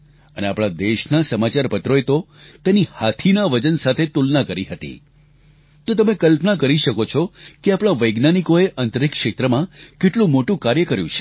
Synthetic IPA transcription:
əneapɽ̃ad̪eʃnasəmat͡ʃaɾpət̪ɾoet̪o | t̪enihat̪ʰinaʋəd͡ʒənsat̪ʰet̪ulnakəɾiɦət̪ḭ | t̪ot̪əmekəlpnakəɾiʃəkot͡ʃʰɔkeapɽ̃aʋəjɡnanikoeʔənt̪əɾikʃet̪ɾəmãkeʈlũmoʈũkaɾjəkəɾjṵ̃t͡ʃʰe̥

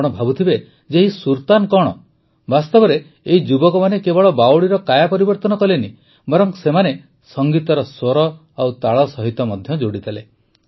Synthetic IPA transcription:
ɽ̃ɔbʱabut̪ʰibe | d͡ʒeɦisuɾt̪ankɔɽ̃ɔ | bast̪ɔbɔɾe | eɦid͡ʒubɔkɔmanekebɔɭɔbawɭiɾɔkajapɔɾibɔɾt̪ɔnɔkɔleni | bɔɾɔŋsemane | sɔŋɡit̪ɔɾɔsoɾɔ | awt̪aɭɔsɔɦit̪ɔmɔd̪ʱjɔd͡ʒoɽit̪ʰale

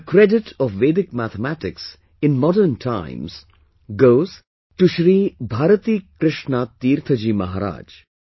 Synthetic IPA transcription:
əkɾeɖɪʈʰɔʋʋeːd̪ɪkmæt̪ʰəmæʈɪks | ɪ̃nmɔɖəɾnʈʰã̰ɪ̃mz̥ | ɡoːz | ʈuʃɾiːbʱaːɾət̪iːkɾɪʃɳat̪iːɾt̪ʰəd͡ʒiːmɐɦaɾa̰ːd͡ʒ

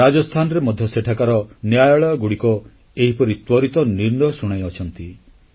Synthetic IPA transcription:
ɾad͡ʒɔst̪ʰanɔɾemɔd̪ʱjɔseʈʰakaɾɔnjajɔɭɔjɔɡuɽikɔ | eɦipɔɾit̪wɔɾit̪ɔniɾnɔjɔsuɽ̃ajɔt͡ʃʰɔnt̪i

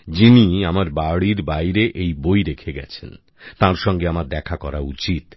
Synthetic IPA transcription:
d͡ʑiniamaɾbaɽiɾbajɾeʔejbojɾekʰeɡɛt͡ɕʰen | t̪ãɾʃɔŋɡeamaɾd̪ɛkʰakɔɾaut͡ɕit̪

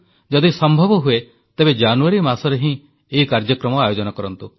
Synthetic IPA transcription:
d͡ʒɔd̪isɔmbʱɔbɔɦue | t̪ebed͡ʒanuaɾimasɔɾeɦĩ | eɦikaɾd͡ʒɔkɾɔmɔajod͡ʒɔnɔkɔɾɔnt̪u

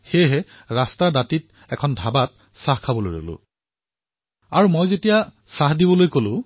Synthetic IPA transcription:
xejɦɛ | ɹastaɹdatit | ɛkʰɔndʱabat̚ | sahkʰabɔlo̰jɹo̰lʊ̰̃ | aɹumojzetija | saɦdibɔlojkolʊ̃

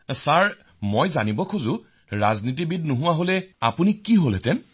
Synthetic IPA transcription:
saɹ | mojzanibɔkʰuzʊ | ɹaznit̬ibit̚nuɦʊ̃waɦolɛapunikiɦolɛ̰tɛn

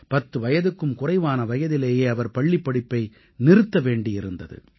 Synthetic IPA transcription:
pɐt̪ːɯʋɐjɐðɯkːɯmkʊrɐɪʋaːnɐʋɐjɐðɪleːjeːɐʋɐɾpɐɭːipːɐɽɪpːɐɪ | nɪrɯt̪ːɐʋeːɳɖɪjɪɾɯnd̪ɐðɯ̰

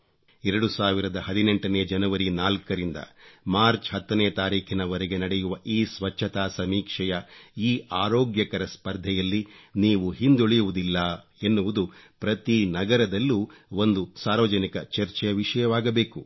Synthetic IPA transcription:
ɛɾɐɽusaːʋiɾɐd̪ɐɦɐd̪ine̞ɳʈɐneːd͡ʒɐnɐʋɐɾinaːlkɐɾind̪ɐ̰maːɾt͡ʃɦɐt̪ːɐneːt̪aːɾiːkʰinɐʋɐɾɛɡe̞nɐɽɛjuʋɐʔiːsʋɐt͡ʃːʃʰɐt̪aːsɐmiːkʂɛjɐiːʔaːɾoːɡjɐkɐɾɐspɐɾd̪ʱɛjɐlːiniːʋuɦind̪oɭɛjuʋud̪ilːɐ | e̞nːuʋud̪upɾɐt̪inɐɡɐɾɐd̪ɐlːuːo̞nd̪usaːɾʋɐd͡ʒɐnikɐt͡ʃɐɾt͡ʃɛjɐʋiʂɐjɐʋaːɡɐbe̞ːku

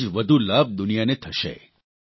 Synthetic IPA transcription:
d͡ʒʋəd̪ʱulab̚d̪ʊnijanet̪ʰəʃḛ

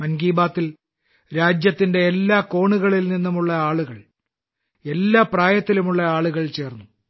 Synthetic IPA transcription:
mɐnɡiːbaːt̪ːil | ɾaːd͡ʑjɐt̪ːinde̞elːaːko̞ːɳuɣɐɭilninːumuɭːɐaːɭuɣɐɭ | e̞lːaːpraːjɐt̪ːilumuɭːɐaːɭuɣɐɭt͡ɕe̞ːrnːu

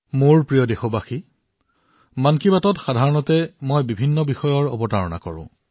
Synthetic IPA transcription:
moɹpɹijɔdexobaxi | mankibatɔtxadʱaɹɔnɔtɛmojbibʱinːɔbixɔjɔɹo̰bɔtaɹɔna̰kɔ̰ɹʊ̰̃

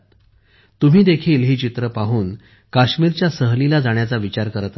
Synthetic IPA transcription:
t̪um̤iːd̪ekʰiːlɦiːt͡ɕit̪ɾəpaɦuːn | kaɕmiːɾt͡ɕjasəɦlilad͡zaɳ̃jat͡saʋit͡ɕaɾkəɾət̪

